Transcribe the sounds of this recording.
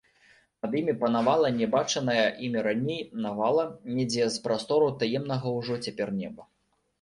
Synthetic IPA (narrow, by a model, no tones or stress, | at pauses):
nɐd̪imʲipɐnavalˠɐnʲɛbat͡ʂɐnɐjɐʔimʲiɾanʲejnavalˠɐnʲɛd͡zʲɛzpɾast̪ɔɾut̪ajɛmn̪ɐɣɐwʐɔt͡sʲapʲɛrnʲɛbɐ